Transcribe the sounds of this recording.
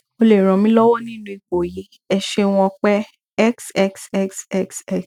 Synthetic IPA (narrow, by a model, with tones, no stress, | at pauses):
o˧le˨ɾ̃ɔ̃˨mĩ˦lɔ˦wɔ˦nĩ˦nũ˦i˨k͡po˨je˨˦ | ɛ˨ʃe˧w̃ɔ̃˧k͡pɛ˦ | ɛ˦ksɛ˦ksɛ˦ksɛ˦ksɛ˦k